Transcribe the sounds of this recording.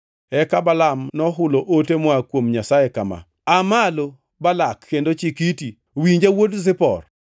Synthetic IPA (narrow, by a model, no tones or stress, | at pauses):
ɛkabalamnɔɦʊloʔotemɔakwomɲasajekama̰ | amalo | balakːendot͡ʃikiti | wiɲd͡ʒawotzɪpɔ̰r